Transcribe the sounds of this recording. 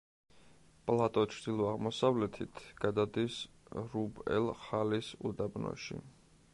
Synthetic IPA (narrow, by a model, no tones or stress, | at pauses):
pʼlˠat̪ʼɔt͡ʃʰɾd̪ilˠɔaʁmɔsavlɛt̪ʰit̪ʰɡ̥ad̪ad̪is | ɾubɛ̰lˠχalisṵd̪abnɔ̰ʃḭ